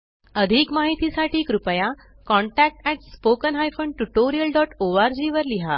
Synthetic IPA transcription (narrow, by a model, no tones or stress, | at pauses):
əd̪ʱiːkmaɦit̪isaʈʰiːkɾupəja | kɔ̃ɳʈæk̚ʈɛʈ̚spokənɦajfoɳɖʈuʈoɾijəlɖɔʈoaɾd͡ʑiːʋəɾliɦa